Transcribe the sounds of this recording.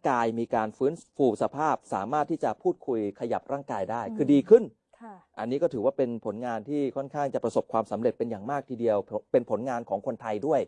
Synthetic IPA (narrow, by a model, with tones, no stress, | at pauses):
kaː˧jmiː˧kaː˧nfɯː˦˥nfuː˧sa˧pʰaː˥˩p̚sa̰ː˩˦maː˥˩t̪ʰːiː˥˩t͡ɕa˨˩pʰuː˥˩t̪̚kʰu˧jkʰa˧ja˨˩p̚ɾaː˥˩ŋkaː˧jdaː˥˩jkʰɯː˧diː˧kʰɯ˥˩nʰ | ʔʔa˧nːiː˦˥kɔː˥˩t̪ʰɯː˩˦waː˥˩pe˧npʰo˩˦nŋaː˧nt̪ʰiː˥˩kʰɔ˥˩nkʰaː˥˩ŋt͡ɕa˨˩pɾa˧so˨˩p̚kʰwaː˧msa˩˦mɾe˨˩t̪̚pe˧njaː˨˩ŋmaː˥˩k̚t̪ʰiː˧di˧əwpe˧npʰo˩˦nŋaː˧nkʰɔː˩˦ŋkʰo˧nt̪ʰa˧jdu˥˩əj